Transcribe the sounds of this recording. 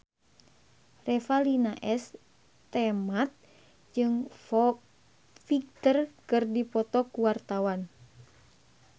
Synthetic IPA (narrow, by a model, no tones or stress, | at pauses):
rɛfalinaʔɛs | t̪ɛmat̪̚ | d͡ʒɨŋfɔ | fik̚t̪ərkɨrdipɔt̪ɔkuwart̪awan